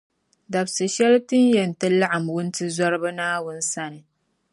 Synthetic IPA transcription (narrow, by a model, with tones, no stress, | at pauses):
da˨bsɨ˨ʃɛ˦ltɨ˦njɛ˨n˨tɛ˦la˦ʔa˨mwʊ˦ntɨ˦za˦ɾɨ˦ba˦naː˦wʊ˦n̩˦sa˦nɨ˨